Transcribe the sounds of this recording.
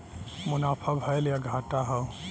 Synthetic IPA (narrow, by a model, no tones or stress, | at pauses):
mʊnapʰabʱəeljaɡʱaʈaɦəw